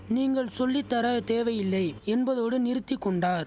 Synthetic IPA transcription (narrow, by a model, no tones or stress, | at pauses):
niːŋɡɐɭsɔlːɪt̪ːɐɾɐt̪eːʋɐjɪlːɐɪɛnbɐðoːɽɯnɪɾɯt̪ːɪkːɔɳɖaːɾ